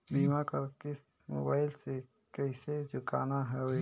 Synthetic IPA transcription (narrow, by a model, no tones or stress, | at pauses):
biːmakəɾkɪs | mo̰ːbaːɪlse | kɛɪsed͡ʒʊka̰ːnaɦɛo